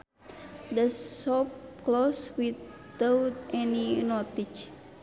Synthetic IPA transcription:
dəsːɔpkloswit | awt̪̚ɛninɔt̪it͡ʃ

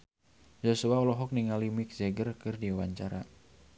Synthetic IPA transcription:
d͡ʒosuaɔlɔɦɔk̚niŋalimɪk̚zɛɡərkɨrdiawaɲt͡ʃaɾa̰

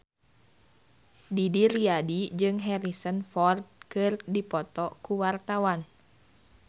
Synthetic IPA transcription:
didiriadid͡ʒɨŋɦɛɾisənfɔrt̪̚kɨrdipɔt̪ɔkuwart̪awan

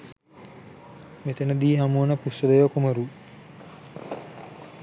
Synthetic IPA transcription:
met̪enəd̪iːɦamunəpusod̪ejʋɐkumɐɾu

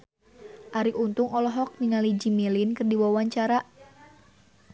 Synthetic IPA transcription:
ʔaɾiʔunt̪uŋɔlɔɦɔk̚niŋalid͡ʒimilinkɨrdiwawaɲt͡ʃaɾa

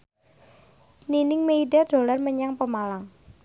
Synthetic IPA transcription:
ninɪŋmeiɖad̥o̤larməɲaŋpəmalaŋ

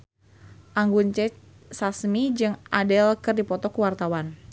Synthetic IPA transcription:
ʔaŋɡunt͡ʃɛt͡ʃ | sasmid͡ʒɨŋadɛlkɨrdipɔt̪ɔkuwart̪awan

